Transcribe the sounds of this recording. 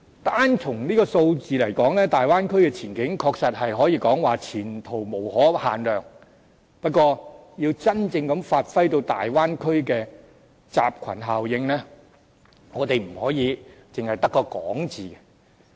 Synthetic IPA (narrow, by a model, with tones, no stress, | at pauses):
t̪aː˥nt͡sʰʊ˨˩ŋniː˥kɔː˧so˧wt͡siː˨lɐ˨˩jkɔː˨˥ŋlɛː˥t̪aː˨jwaː˥nkʰɵ˥ɥkɛː˧t͡sʰiː˨˩nkɪ˨˥ŋkʰɔː˧k̚sɐ˨t̚hɐ˨jɦɔː˨˥jiː˧kɔː˨˥ŋwaː˨˩t͡sʰiː˨˩nt̪ʰo˨˩wmo˨˩whɔː˨˥haː˨nlœː˨ŋ | pɐ˥t̚kwɔː˧jiː˧wt͡sɐ˥nt͡sɪ˧ŋkɐ˨˥mfaː˧t̚fɐ˥jt̪o˧wt̪a̰ː˨jwaː˥nkʰɵ˥ɥkɛː˧ | t͡sa̰ː˨p̚kʰɐ̰˨˩nɦaː˨wjɪ˨˧ŋlɛː˥ | ŋɔː˨˧t̪e˨jm̩˨˩hɔː˨˥jiː˨˧t͡sɪ˨ŋhɐ˨jt̪ɐ˥kːɔː˧kɔ̰ː˨˥ŋt͡siː˨kɛ˧